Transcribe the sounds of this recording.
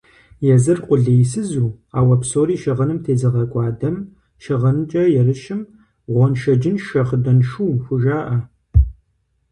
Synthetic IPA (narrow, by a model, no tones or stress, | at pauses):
jɛzɨrqʷʊɮejsɨzuː | aːwɐpsoːɾiːʃɪʁɐnɨmtʰeːzɨʁɐkʷʼɑːdɐm | ʃɪʁɐnt͡ʃʼɐjɛrɨʃɪm | ʁʷɔnʃɐd͡ʒɪnʃɐχədɐnʃuːxʷʊʒaːʔɐ